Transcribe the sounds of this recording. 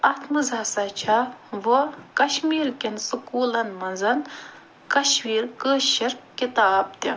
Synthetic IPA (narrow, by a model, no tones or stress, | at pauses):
ɐt̪ʰmɨzaːsɐt͡ʃʰaʋokɐʃmiːlkʲinsɨkuːlɐnmɐnzɐn | kɐʃwiːɾkəːʃiɾkit̪aːb̚t̪i